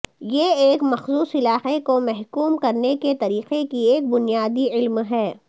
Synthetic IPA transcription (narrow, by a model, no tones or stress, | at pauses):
jeeːkmɐxzuːsɪlaːxekomɛɦkuːmkɐɾneket̪ɐɾiːqekieːk̚bʊnijaːd̪iɪlmɦɛː